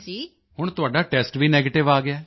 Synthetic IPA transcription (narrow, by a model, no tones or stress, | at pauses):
d͡ʒiː | hʊɳ̃t̪ʊaːɖaːʈɛːsʈʋiːnɛːɡeːʈɪʋaːɡɪaː